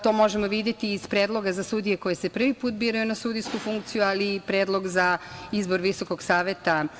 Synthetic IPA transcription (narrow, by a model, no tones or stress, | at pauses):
t̪o̞mo̞ʒemoʋid̪jet̪iːzpɾeːd̪lˠo̞ɡazasud̪ije̞ko̞je̞se̞pr̩ʋipuːt̪̚biːɾajunasud̪iskufuŋkt̪sijualipɾeːd̪lˠo̞ɡzaizbo̞ɾʋiso̞ko̞ɡsaːʋet̪a